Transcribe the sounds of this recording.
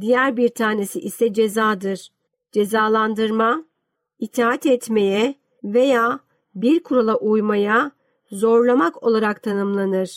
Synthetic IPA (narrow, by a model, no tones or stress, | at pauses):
d̪ijæɾbiɾt̪ʰaːne̞siʔisɛd͡ʒe̞zaːd̪ɯɾ̥ | d͡ʒe̞zaːlˠand̪ɯɾma | it̪ʰaːat̪ɛt̪me̞jɛ | ve̞jaː | biɾkʰuɾalˠaʔujmaja | zo̞ɾlˠamakʰo̞lˠaɾakt̪ʰanɯmlˠanɯɾ̥